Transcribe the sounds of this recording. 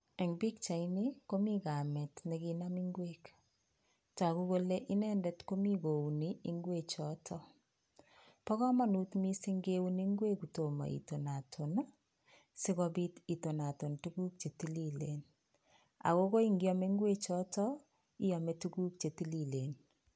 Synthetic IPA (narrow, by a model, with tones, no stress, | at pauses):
ɛ˨ŋbi˦kt͡ʃa˨ini˦ko˦mi˦ka˨mɛ˨tnɛ˨ki˦na˦mi˦ŋɡweːk | ta˨ku˦ko˦le˦ʔi˦nɛ˦ndɛ˦tko˦mi˦ko˨wu˨nii˦ŋɡwe˦t͡ʃɔ˦tʰɔ˦ | pɔ˦kɔ˦ma˦nu˦tmi˦si˦ŋɡe˦wuni˦ŋɡwe˦ku˨to˨ma̰˨ḭ˨to˨na˨tʰo˨n | si˦kɔbi˦ti˨to˨na˨to˨ntuku˦k̚t͡ʃe˨ti˦li˦le˨n | a̰˨ko˦ko˦i˦ŋɡi˦ɔ˦me˦ŋɡwe˦t͡ʃɔ˦tɔ˦ | i˦jɔ˨me˨tu˦ku˦k̚t͡ʃe˨ti˦li˨le˨n